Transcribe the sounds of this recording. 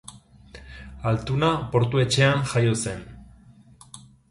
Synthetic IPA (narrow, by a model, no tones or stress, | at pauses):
alt̪unapo̞ɾt̪ue̞t͡ʃe̞anʝajo̞se̞n